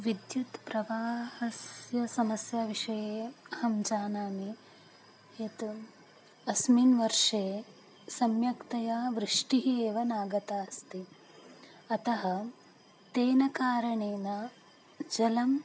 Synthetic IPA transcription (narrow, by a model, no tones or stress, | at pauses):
ʋid̪jut̪pɾɐʋaːhɐsjɐsɐmɐsjaːʋiʂɐjeːɐhɐmd͡ʒaːnaːmi | eːt̪u | ɐsminʋɐɾʂeː | sɐmjɐkt̪ɐjaːʋɾɪʂʈiɦieːʋɐnaːɡɐt̪aːst̪i | ɐt̪ɐɦɐ | t̪eːnɐkaːɾɐɳeːnɐ | d͡ʒɐlɐm